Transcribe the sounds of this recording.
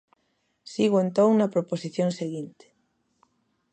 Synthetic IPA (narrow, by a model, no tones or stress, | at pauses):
siɣoent̪õŋnɐpɾoposiθjoŋseɣint̪ɪ̥